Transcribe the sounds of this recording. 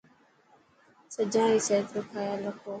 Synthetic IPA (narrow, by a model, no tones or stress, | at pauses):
səd͡ʒãːiːseːt̪ɾəkʰaːjaːləkʰoː